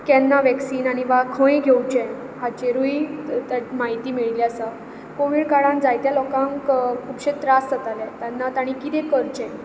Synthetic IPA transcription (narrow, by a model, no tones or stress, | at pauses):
kɛnːaʋɛksiːnaɽ̃iʋakʰə̃jẽɡʱewt͡ɕɛ̃ | hat͡ɕeɾuiamaɦit̪iːmiɭliasə | koʋiɽkaɽãnd͡zajt̪jalɔkãŋkkʰuːpɕẽt̪ɾasət̪alẽt̪janːat̪aɽ̃ikit̪ʰɛ̃kəɾt͡ɕɛ̃